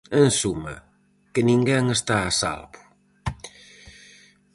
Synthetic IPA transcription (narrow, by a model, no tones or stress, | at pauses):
ensumɐ̰ | kənĩŋɡɛŋest̪aːsa̰lβʊ̥